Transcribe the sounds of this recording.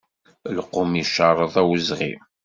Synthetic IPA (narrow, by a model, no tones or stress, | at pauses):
lqːomiʃɑɾˤəðˤæwəzʁḭm